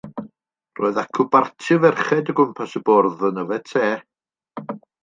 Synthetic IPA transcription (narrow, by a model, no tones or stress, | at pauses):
roːɨðakʰʊbartʰɨvɛrχɛdəɡʊmpʰasəbɔrðənəvɛtʰeː